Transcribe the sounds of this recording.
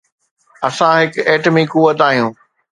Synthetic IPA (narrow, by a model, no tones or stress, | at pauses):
ɐsãɦɪkeːʈmikʊʋət̪aːɦijũː